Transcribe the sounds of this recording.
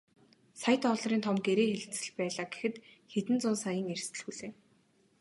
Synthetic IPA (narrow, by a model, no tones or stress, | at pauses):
sajt̪ʰɔɮ̆riːnt̪ʰɔmɡeɾeːxeɮt͡sɘ̆ɮpæːɮaːɡe̥xɘ̆t̪xet̪ɘ̆nt͡sʊnsajə̆ŋerst̪ɘ̆ɮxuɮeː